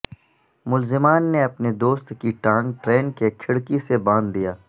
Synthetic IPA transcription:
mʊlzɪmaːnːeɐpned̪oːst̪kiʈãːŋɡʈɾeːnkekʰɪɽkisebãːnd̪d̪ijaː

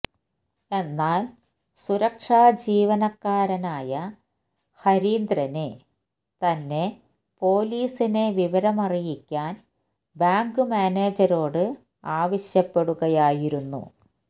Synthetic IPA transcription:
e̞nːaːl | suɾɐkʂaːd͡ʑiːʋɐnɐkːaːɾɐnaːjɐ | hɐɾiːnd̪ɾɐne | t̪ɐnːe̞ | po̞ːliːsine̞ʋiʋɐɾɐmɐrijikʲːaːn | baːŋɡɨmaːne̞ːd͡ʑɐɾo̞ːɽɨ | aːʋɐɕjɐpːe̞ɽuɣɐjaːjiɾunːṵ

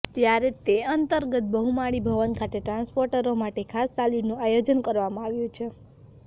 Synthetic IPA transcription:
t̪jaɾet̪eənt̪əɾɡət̪̚bəɦumaɽibʱəʋənkʰat̪eʈɾãnspoɾʈəɾomaʈekʰast̪alinũajod͡ʒənkəɾʋamãaʋjũt͡ʃʰe

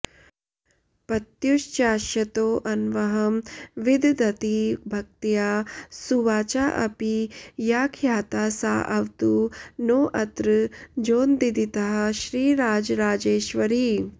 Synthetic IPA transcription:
pɐt̪juʃt͡ʃaːʃjɐt̪oːʔɐnʋɐɦɐmʋid̪ʱd̪ɐt̪ibʱɐk̚t̪ijaːsuʋaːt͡ʃaːʔɐ̰pijaːkʰjaːt̪aːsa̰ːʔɐʋt̪unoːʔɐt̪ɾɨd͡ʒoːnd̪id̪it̪ɐɦɐ̆ʃɾiːɾaːd͡ʒɾaːd͡ʒeːʃʋɐɾi

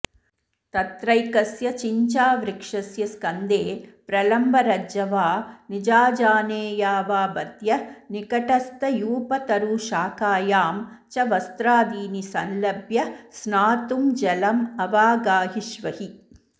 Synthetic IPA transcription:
t̪ɐt̪ɾɐjkɐsjɐt͡ʃiɲt͡ʃaːʋɾikʂɐsjɐskɐnd̪eːpɾɐlɐmbʱɐɾɐd͡ʒɐʋaːnid͡ʒaːd͡ʒaːneːjaːʋaːbɐd̪jɐnikɐʈɐst̪ɐjuːpɐt̪ɐɾuʃaːkaːjaːm | t͡ʃɐʋɐst̪ɾaːd̪iːnisɐnlɐbjɐsnaːt̪umd͡ʒɐlɐmɐʋaːɡaːɦiʃʋɐhi

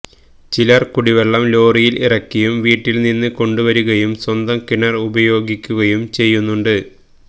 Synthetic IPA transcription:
t͡ɕilɐrkuɽiʋeɭːɐmlo̞ːrijilirɐkːujumʋiːʈːilninːɨko̞ɳɖuʋɐɾuɣɐjumswɐnd̪ɐmkiɳːɐrubɐjo̞ːɡikʲːuɣɐjumt͡ɕe̞jːunːuɳɖɨ

